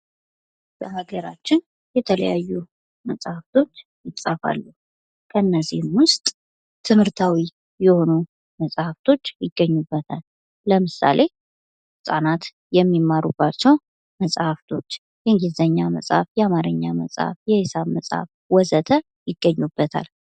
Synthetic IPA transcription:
b̥əhaɡəɾat͡ʃːɪn | jɛt̪ʰələ̰jajːu | məsʼhaft̪ʰo̞t͡ʃːjɪt͡sʼafa̰lːu | kʰənːəzihmwʊst̪ʼ | t̪ʰɨmhɨɾt̪ʰawi | jɛho̞nu | məsʼhaft̪ʰo̞t͡ʃːjɪɡːəɲːubːət̪ʰalː | əmɨsa̰le̞ | sʼanat̪ | jɛmːimːaɾubːat͡ʃːɛw | məsʼhaft̪ʰo̞t͡ʃː | jɛŋɡizəɲːamə̰sʼhafjɛamaɾɨɲːamə̰sʼha̰fjɛhesaβməsʼha̰f | wɔzət̪ʰə | jɪɡːəɲːubːət̪ʰa̰l

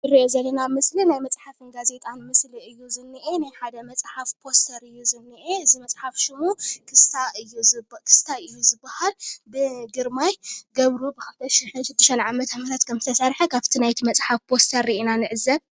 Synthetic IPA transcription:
ɨɾiʔezɐlːɐnamɨslinajmɐt͡sʼħafɨnɡaze̞t̪ʼanmɨsliɨjːuzɨnːɨʔenajħad̪ɐmɐt͡sʼħafpʰo̞st̪ʰɐɾɨjːuzɨnːɨʔeɨzimɐt͡sʼħafʃɪmukʰɨst̪ʰaʔɨjːuzkʰɨ̥st̪ʰaɨjːuzɨbːahalbɨɡɨɾmajɡɐβɾubɨkʰɐβt̪ʰɐʃiħɨnʃɨd̪ːɨʃɐnʕamɐt̪ʰɐmɐt̪ʰat̪kʰɐmzɨt̪ʰɐsɐɾħɐkʰaβt̪ʰinajt̪ʰimɐt͡sʼħafpʰo̞st̪ʰɐɾːiʔinanɨʕɨzːɐβ

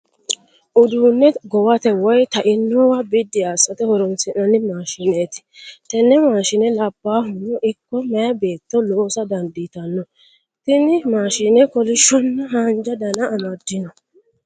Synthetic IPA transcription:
ʔʊd̪uːnːɛɡɔwɐt̪ɛwɔjt̪ɐʔɪnːɔwabɪd̪ːɪaːsɐt̪ɛhɔɾɔnsɪnɐnɪmaːʃɪneːt̪ɪ̥t̪ɛnːɛmaːʃɪnɛlɐbːaːɦʊnɔʔɪkːɔmɛjɐbe̞ːt̪ːɔloːsɐd̪ɐnd̪ɪt̪ɐnːɔ | t̪ɪnɪmaːʃɪnɛkɔlɪʃːɔnːɐɦaːnd͡ʒɐd̪ɐnɐːmɐd̪ːɪnɔ

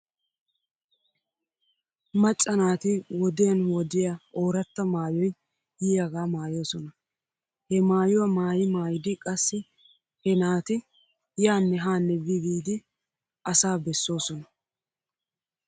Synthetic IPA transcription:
mɐt͡ʃʼːɐnaːt̪ɪwɔd̪ɪjɐnwɔd̪ɪjɐoːɾɐt̪ːɐmaːjɔj | hiːɐɡaːmaːjoːsɔnɐ | hɛmaːjʊwɐmaːjɪmaːjɪd̪ɪkʼɐsːɪ | hɛnaːt̪ɪ | jaːnːɛɦaːnːɛbɪɡiːd̪ɪ | ɐsaːbɛsːo̞ːsɔnɐ

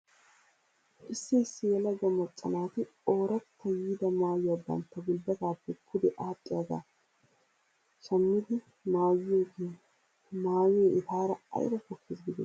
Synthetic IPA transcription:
ʔɪsːɪɪsːɪjɛlɐɡɐmːɐt͡sʼːɐnaːt̪ɪ | o̞ːɾɐt̪ʰːɐjiːd̪ɐmaːjʊɐbːɐ̰nt̪ːɐɡʊlbɐt̪aːpːɛkʰːʊd̪ɛʔaːpʼːɪjaɡ̪a̰ː | ʃɐmːɪd̪ɪ | maːjɪjoɡe | maːwɪjeʔɪt̪aːɾɐɐ̰jbɐkɔkːeːsɡɪd̪ɛ̰

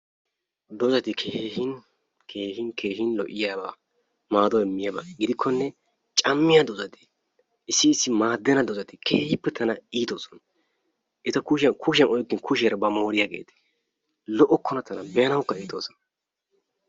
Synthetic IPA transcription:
d̪ɔzɐt̪ɪkʰeːhɪn | kʰeːhɪnkʰe̞ːɦɪnlɔ̰ʔɪjaːba̰ː | maːd̪ɔɛmːɪjɐbɐ̰ɡɪd̪ɪkʰːɔnːɛ | t͡ʃʼɐmːɪjad̪ɔzɐt̪ɪ̥ | ɪsːɪːsːɪmaːd̪ːɛnɐd̪ɔzɐt̪ɪkʰeːhɪpːɛt̪ʰɐnɐiːt̪oːsɔn | ʔɪt̪ɐkuʃɪjɐnkʊʃ̬ɪjɐnɔjkːɪnkʊʃɛɾɐbɐmo̞ːɾɪjaːɡḛːt̪ɛ̥ | lɔʔɔkːɔnɐt̪ɐnɐbɛɐnɐwkːɐiːt̪oːsɔn

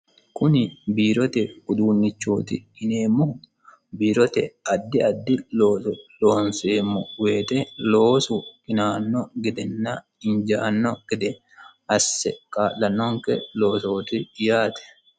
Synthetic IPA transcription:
kʊnɪbiːɾɔt̪ɛɡʊd̪uːnːɪt͡ʃːo̰ːt̪ɪ̰ɪneːmːʊ | biːɾɔt̪ɛʔɐd̪ːɪɐd̪ːɪloloːnseːmːɔweːt̪ɛloːsʊɪnaːnːɔɡɪd̪ɛnːa | ɪnd͡ʒaːnːɔɡ̥ɛd̪ɛ | ʔɐsːɛ̰kaːlːɐnːɔŋkɛlo̞ːsoːt̪ɪɪjaːt̪ɛ̥

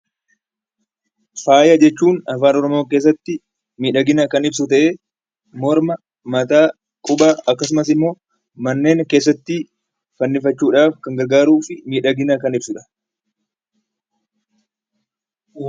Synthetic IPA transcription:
faːjɐd͡ʒɛt͡ʃːuːnɐfaːnɔɾɔmo̞ːk̬eːs̬ːɐt̪ːɪ | miːᶑɐɡɪnɐkɐnɪbsʊt̪ɐʔe̞ː | mɔɾmɐ | mɐt̪aː | kʼʊbaːɐkːɐsʊmɐsɪmːo̞ː | mɐnːe̞ːŋke̞ːs̬ːɐt̪ːɪ | fɐnːɪfɐt͡ʃːuːᶑaːfkɐŋɡɐɾɡaːɾuːfɪmiːᶑɐɡɪnɐkɐnɪbsʊᶑɐ̥

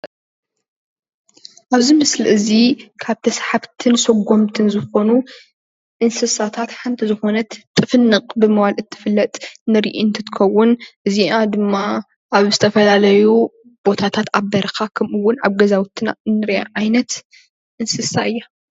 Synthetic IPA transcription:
ʔaβzimɨsliʔɨzikʰaβt̪ʰɐsħaβt̪ʰɨnsɐɡo̞mt̪ʰɨnzɨxo̞nu | ʔɨnsɨsat̪ʰat̪ħant̪ʰizɨxo̞nɐt̪t̪ʼːɨfɨnːɨqʼbɨmɨwalʔɨt̪ʰːɨ̥fɨlːɐt̪ʼnɨɾḭʔint̪ʰɨt̪ɨ̥kʰɐwːʊnʔɨziad̪ɨmːa | ʔaβzɨt̪ʰɐfɐlalɐju | b̥o̞t̪ʰat̪ʰat̪abɐɾɐkʰakʰɐmɨwːʊna̰βɡɐzawt̪ʰːɨna̰ɨnːɨɾja̰ʕajnɐt̪ | ʔɨnsɨsaʔɨjːa

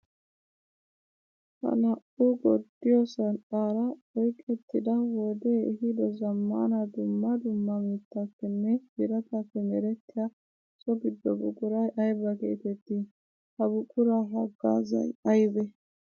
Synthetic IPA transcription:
hɐ̰nɐʔuɡɔd̪ːɪjɔsɐnʔʼaːɾɐɔjkʼɛt̪ːɪd̪ɐwɔd̪eːhɪd̪ɔzɐmːa̰ːnɐd̪ʊmːɐd̪ʊmːɐmiːt̪ːɐfːɛnːɛɡɪɾɐt̪ɐfːɛmɛɾɛt̪ːɪjɐ | sɔɡɪd̪ːɔbʊ̰kʼʊɾɐjʔɐjbɐkḛːt̪ɛt̪ːi | hɐbʊkʼʊɾɐɦɐɡːa̰ːzɐ̰jɐjbɛ

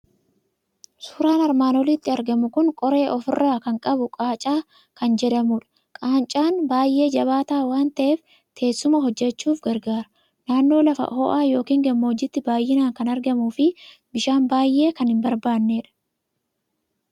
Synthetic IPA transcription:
su̥ːɾaːnɐɾmaːnɔlɪt̪ːɪɐɾɡɐmʊkʊŋkʼɔɾe̞ːʔɔfɪrːaːkɐŋkʼɐbʊkʼaːt͡ʃʼaː | kɐnd͡ʒɛd̪ɐmuːᶑɐ̥ | kʼaːnt͡ʃʼaːnbaːjːe̞ːd͡ʒɐβaːt̪aːwaːnt̪ɐʔeːf | t̪ʰe̞ːsːʊmɐɦɔd͡ʒːɛt͡ʃːuːfɡɐɾɡaːɾɐ | naːnːo̞ːlɐfɐ̰hoʔaːjo̞ːkiːŋɡɐmːod͡ʒɪt̪ːɪbaːjːɪnaːŋkɐnɐɾɡɐmuːfɪbɪʃaːnbaːjːe̞ːkɐnhɪmbɐɾbaːnːeːᶑɐ̥

